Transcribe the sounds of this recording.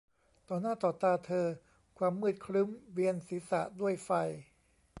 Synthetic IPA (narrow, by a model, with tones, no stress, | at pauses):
t̪ɔː˨˩naː˥˩t̪ɔː˨˩t̪aː˧t̪ʰɤː˧ | kʰwaː˧mːɯː˥˩t̪̚kʰɾɯ˦˥mwi˧ənsiː˨˩˦sa̰˨˩ʔdu˥˩əjfa˧j